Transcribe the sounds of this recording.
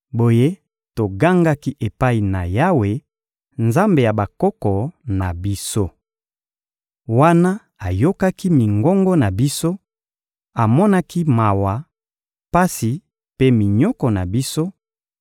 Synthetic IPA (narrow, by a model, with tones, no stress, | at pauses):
bo˨je˦ | to˨ɡa˦ŋɡa˦ki˦ʔe˨pa˦i˨na˨ja˦we˦ | nza˦mbe˨ja˨ba˨kɔ˦kɔ˨na˨bi˦so˦ | wa˦na˦ | a˨jo˦ka˦ki˦mi˨ŋɡɔ˦ŋɡɔ˦na˨bi˦so˦ | a˨mɔ˦na˦ki˦ma˨wa˨ | pa˦si˨ | pe˦mi˨ɲɔ˦kɔ˨na˨bi˦so˦